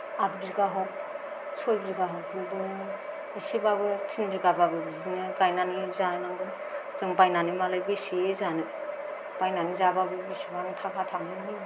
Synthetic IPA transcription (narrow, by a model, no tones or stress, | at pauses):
ap̚bizɡaɦɔk̚ | sʰojbiɡaɦɔk̚ːuldɯ | isibabɯtʰindiɡababɯbizinɯkajnanizanaŋɡɯ | zɯŋpajnanimalɯjbisiezanɯ | pajnanizababɯbisibaŋtʰakʰatʰanɯni